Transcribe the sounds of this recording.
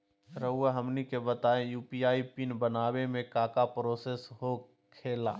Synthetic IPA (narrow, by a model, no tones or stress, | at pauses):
ɾəɦʊaɦəmnikebət̪aːẽjuːpijaːipinbənaːwemẽkaːkapɾoːseːsɦo | kʰeːlaː